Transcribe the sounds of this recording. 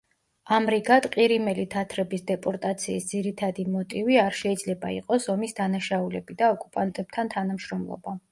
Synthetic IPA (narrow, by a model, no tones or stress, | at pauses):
amɾiɡad̪qʼiɾimɛlit̪ʰat̪ʰɾɛbisd̪ɛpʼɔɾt̪ʼat̪sʰiːsd̪ziɾit̪ʰad̪imɔt̪ʼiviaɾʃɛid̪zlɛbaḭqʼɔsɔmisd̪anaʃaulɛbid̪aɔkʼupʼant̪ʼɛb̥̚t̪ʰant̪ʰanamʃɾɔmlˠɔ̰ba